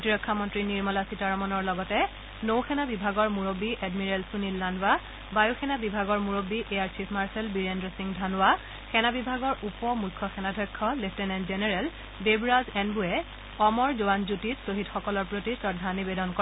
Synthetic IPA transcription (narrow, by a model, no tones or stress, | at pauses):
potiɹɔkʰːamɔntɹiniɹmɔlasitaɹɔmɔnɔɹlɔɡɔtɛ | nowxʰɛnabibʱaɡɔɹmuɹobiʔɛdmiɹelsunilːanwa | bajuxʰɛnabibʱaɡɔɹmuɹobiʔejaɹt͡ʃʰipʰmaɹsɛlbiɹendɹosiŋdʱanʊwa | xɛnabibʱaɡɔɹʔupɔmujkʰːɔxɛnadʱɔjkʰːɔlefʰtɛnɛnzenɛɹɛl | bebɹazɛnbuɛ | ɔmɔɹzowanzutitsoɦidxɔkɔlɔɹpɹotisɔdʱanibedɔnkɔ